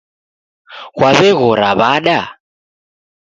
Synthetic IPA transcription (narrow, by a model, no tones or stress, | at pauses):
ɣwaβɛɣɔɾaβaɗa